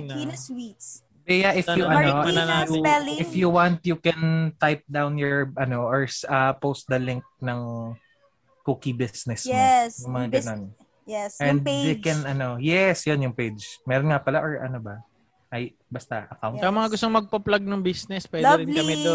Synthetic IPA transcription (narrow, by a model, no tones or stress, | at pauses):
nwits | bɛjaʔɪfjuɐnoɐnɐlauɛlɪfjuwant̪̚jukɛnt̪ajp̚d̪awnjɔɹɐnoʔɔɹsɐpost̪̚d̪ɐlɪŋk̚nɐŋ | kuːkibisnɛsɛjʊŋmɐŋaɡno̞n | ɛsʔɛ̃nd̪ekɛnɐno̞jɛsjonjʊŋpejd͡ʒmɛːɾonŋapɐlaʔoɹɐ̰nobɐ | ʔɐj | bɐst̪ɐʔɐkawnmɐŋaɡʊst̪oŋmɐɡ̚pɐplaɡ̚nɐŋbisnɛspwɛːd̪ɛɾɪnkɐmɛd̪o